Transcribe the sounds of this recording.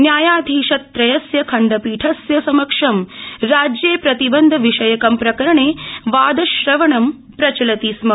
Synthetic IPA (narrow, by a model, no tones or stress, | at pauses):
njaːjaːd̪ʱiːʂɐt̪̚ːɾɐjɐsjɐkʰɐɳɖɐpiːʈʰɐsjɐsɐmɐkʂɐmɾaːd͡ʒjeːpɾɐt̪ibɐnd̪ʱɐʋiʂɐjɐkɐmpɾɐkɐɾɐɳeːʋaːd̪ɐʃɾɐʋɐɳɐm | pɾɐt͡ʃɐlɐt̪iːsmɐ